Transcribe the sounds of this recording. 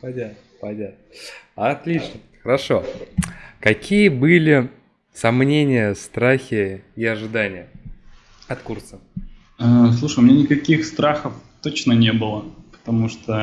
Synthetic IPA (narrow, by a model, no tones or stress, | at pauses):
pɐdʲa | pɐdʲa | ɐt̪lʲit͡ɕnə | xəɾɐʂo̞ | kɐkʲʰijəbɨlʲɪ | sɐmnʲenʲɪjəst̪ɾaxʲɪːɐʐɨd̪anʲɪjə | ɐt̪kursə | əslˠuʂəjʊmʲɪnʲanʲɪkɐkʲixst̪ɾaxəft̪ot͡ɕnənʲebɨlˠəpə̥t̪ɐmuʂt̪o